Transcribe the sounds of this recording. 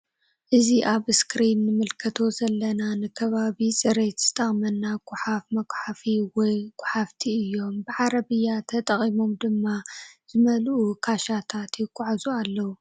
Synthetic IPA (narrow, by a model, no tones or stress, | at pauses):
ʔɨziʔaβɨskɾinːɨmɨlkʰɐt̪ʰo̞zɐlːɐnanɨkʰɐβaβit͡sʼɨɾe̞t̪z̥ɨt̪ʼɐχʼmɐnːaɡʷʼʊħafmɐkʷʼħafiwɔjɡ̥ʷʊħaft̪ʰiɨjːo̞mbɨʕaɾɐβɨjːat̪ʰɐt̪ʼɐχʼimo̞md̪ɨmːaz̥ɨmɐlʔukʰaʃat̪ʰat̪jɪkʼːʊʕazualːɐwu